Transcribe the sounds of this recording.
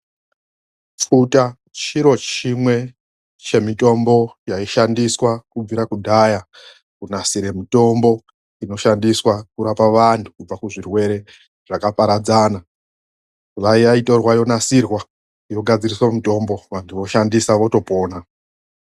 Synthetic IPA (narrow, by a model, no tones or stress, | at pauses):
p͡futa | t͡ʃiɾo̞t͡ʃimwe̞ | t͡ʃe̞mito̞mbo̞jaiʃandiswakub͡viɾakudʱaja | kunasiɾe̞mito̞mbo̞ | ino̞ʃandiswakuɾapaʋantʰu̥kub͡vakuʐirwe̞ɾe̞ | ʐ̥akapaɾad͡zana | ulaijaito̞rwajo̞nasirwa | jo̞ɡʱad͡ziriswamito̞mbo̞ʋantʰuʋo̞ʃandisaʋo̞to̞po̞ːna